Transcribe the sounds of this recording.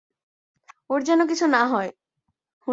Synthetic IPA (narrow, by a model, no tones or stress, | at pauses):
oɾd͡ʑɛnok̬it͡ɕʰunaɦɔe | hu